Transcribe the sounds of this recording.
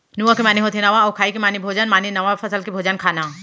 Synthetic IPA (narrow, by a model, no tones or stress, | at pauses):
nuʋãkimaːniɦot̪ʰenɐʋãɐwkʰaːikimaːnibʱoːd͡ʒanmaːninɐʋãfʰɐsəlkibʱoːd͡ʒankʰaːnaː